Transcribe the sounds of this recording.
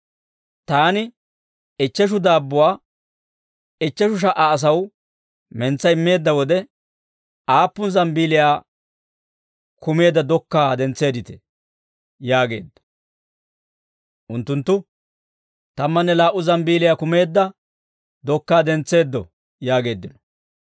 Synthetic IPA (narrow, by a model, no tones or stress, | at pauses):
t̪aːnɪ | ɪt͡ʃːɛʃ̬ʊd̪aːbːʊwaː | ɪt͡ʃːɛʃʊʃ̬ɐʔaːs̬ɐw | mɛnt͡sːɐɪmːe̞ːd̪ːɐwɔd̪ɛ | ʔaːpːʊnzɐmbiːlɪjaː | kʊme̞ːd̪ːɐd̪ɔkːaːd̪ɛnt͡sːe̞ːd̪ɪt̪ɛ̥ | jaːɡe̞̰ːd̪ːɐ̥ | ʔʊnt̪ːʊnt̪ːʊ | t̪ɐmːɐnːɛlaːʔːʊzɐmbiːlɪjaːkʊme̞ːd̪ːɐ | d̪ɔkːaːd̪ɛnt͡sːe̞ːd̪ːɔ̰ | jaːɡe̞ːd̪ːɪnɔ̥